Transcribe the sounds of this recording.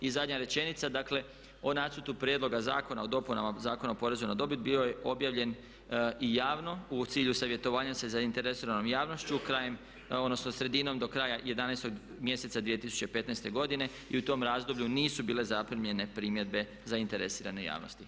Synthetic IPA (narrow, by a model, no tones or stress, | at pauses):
izad̪ɲaɾe̞t͡ʃe̞nit̪sad̪akle̞ | o̞nasut̪upɾjed̪lo̞ɡaza̰ːko̞naod̪o̞punamazaːkonaopo̞ɾe̞zunad̪o̞bid̪̚bio̞jeʔo̞bjaːʋʎe̞n | ijaːʋno̞ut̪siːʎusaʋje̞t̪o̞ʋaːɲase̞zaint̪e̞ɾesiɾano̞mjaːʋno̞st͡ɕukɾaːjem | od̪no̞snosɾe̞d̪ino̞md̪o̞kɾaːjaje̞d̪anajst̪o̞ɡ | mje̞set̪sad̪ʋije̞t̪isu̥t͡ɕepe̞t̪najst̪e̞ɡo̞d̪ine̞ | ḭut̪o̞mɾaːzd̪o̞bʎuniːsubiːle̞zapɾimʎe̞ne̞pɾiːmje̞d̪̚be̞ | zaint̪e̞ɾesiːɾa̰neja̰ːʋno̞̰st̪i